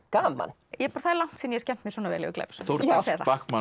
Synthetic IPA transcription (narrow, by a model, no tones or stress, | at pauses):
kaːma̰n | jɛpaɾθaðɛɾlawŋ̥t̪sɛnjɛscɛm̥t̪mjɛ̥sɔːnavɛ̰ːlɪ̰ʏklḛjpsθowɾaseːjθa̰pakma